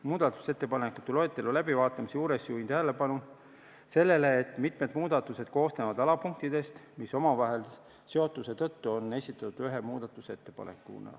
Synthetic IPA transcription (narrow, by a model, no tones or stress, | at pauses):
muːd̪̥ɑt̪ːˑu̥se̞t̪ːe̞pɑnekːˑu̥t̪ːˑulo̞et̪ːˑe̞lulæbivɑːt̪ːˑɑmisjuːɾe̞sjuːint̪æɦele̞pɑnu | se̞lːe̞le̞ːt̪ːmit̪me̞d̪muːd̪̥ɑt̪ːˑuse̞d̪̥ko̞ːst̪evɑd̪ɑlɑpuŋk̚t̪id̪̥e̞st̪miso̞mɑvɑɦe̞l | se̞o̞t̪ːˑuse̞t̪ɤ̞t̪ːuo̞nːe̞sʲit̪ːˑɑt̪ːud̪̥yɦemuːd̪̥ɑt̪ːˑuse̞t̪ːe̞pɑ̰nḛkːˑṵnɑ̰